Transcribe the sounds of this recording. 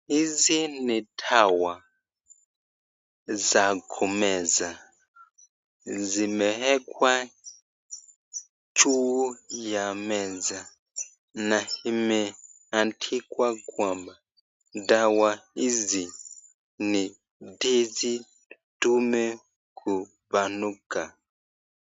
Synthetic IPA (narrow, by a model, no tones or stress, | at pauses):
izinitʰawa | zakʰumɛza | zimɛɦɛkwa | t͡ʃʰuujamɛza | nahimɛ | antʰikwakwamba | dawaizi | ni | dezi | tumɛ | kʰu | banuka